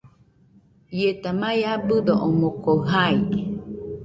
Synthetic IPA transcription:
jet̪amajabɯd̪oʔomokoɦai

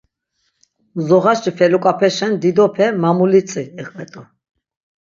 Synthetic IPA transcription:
zɔʁaʃt͡ʃpʰɛlukʼapʰɛʃɛnd̪id̪ɔpʰɛmamulit͡s̪ʼiɛqʼvɛt̪ʼu

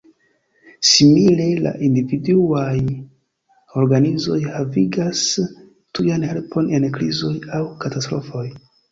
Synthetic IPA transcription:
simile̞la̰ʔindividuaj | o̞ɾɡanizo̞jhaviɡas | tujanhe̞lpʰo̞ne̞nkɾizo̞jawkatastɾo̞fo̞j

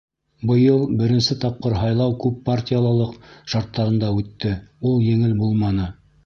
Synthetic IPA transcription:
bɤ̆jɤlˠbɘ̆ɾɘ̆nsɘt̪ɑp̚qɤɾɦɑjlˠɑwkʉpːartʲijalˠɑlˠɤqʃɑɾt̪ːɑɾɤ̆nd̪ɑʉt̪ːɘulˠjɘ̆ŋɘlbulˠmɑnɤ

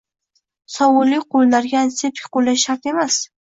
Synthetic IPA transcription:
sɒwʊlːɪqʰolnaɾɡʲansepkʲqolːajʃaɾt̪e̞mas

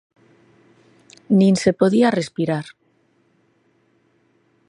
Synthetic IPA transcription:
nĩnse̞po̞ðiare̞spiɾaɾ

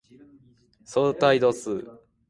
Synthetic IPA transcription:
soːt̪aid̪osɨ

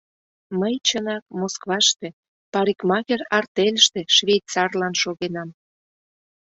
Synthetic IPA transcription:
məjt͡ɕənɑk̚moskβɑʃt̪e | pɑɾikmɑɣerɑrt̪elʲəʃt̪e̽ʃβʲejtt͡sɑrlɑnʃoɣenɑm

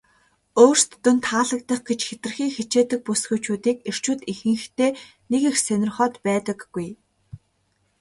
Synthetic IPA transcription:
oːr̥st̪ːɵnt̪ʰaːɮə̆k̚t̪ə̆χɡet͡ɕxet̪̆rxiːŋxet͡ɕeːt̪ɘ̆k̚pusxujt͡ɕuːt̪iːker̥t͡ɕuːt̪ixɘ̆ŋxt̪eː | nekexsænʲɪ̆rχɔːt̪pæːt̪ə̆kːuj

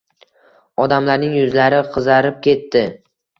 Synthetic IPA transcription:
ɒd̪amlaɾnɪŋjʊzlaɾɪqʰɨzaɾɪp̚kʲe̞t̪ːɪ

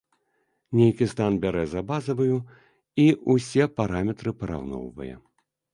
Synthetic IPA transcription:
nʲejkʲist̪anbʲaɾɛzabazɐvɐju | iusʲɛpaɾamʲɛt̪ɾɨpɐɾa̰wnɔ̰wvɐ̰jɛ̰

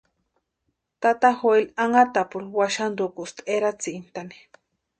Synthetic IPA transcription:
t̪at̪axoelaŋat̪apuɾwaʃand̪ukust̪eɾat͡siʔnt̪ani̥

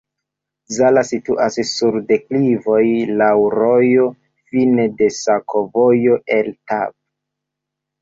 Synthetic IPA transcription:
zalasituʔassuɾde̞klivo̞jlawɾojo̞ | finede̞sakʰo̞vo̞jo̞ʔe̞ltab̚

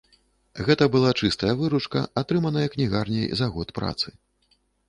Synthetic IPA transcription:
ɣɛt̪ɐbɨlˠat͡ʂɨst̪ɐjɐvɨɾut͡ʂkɐ̰at̪ɾɨmɐnɐjɐknʲiɣarnʲɐjzaɣɔt̪pɾa̰t̪sɨ

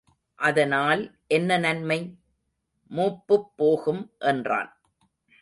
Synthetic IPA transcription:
ʔɐðɐnaːlʔɛnːɐnɐnmɐɪ | muːpːɯpːoːɣɯmʔɛndra̰ːn

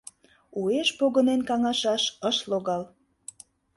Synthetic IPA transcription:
ueʃpoɣə̆nenkɑŋɑʃɑʃəʃloɣɑl

